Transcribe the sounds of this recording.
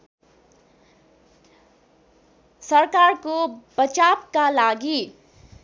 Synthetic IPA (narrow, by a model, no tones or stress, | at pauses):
səɾkaɾkob̥ət͡ʃapkalaɡi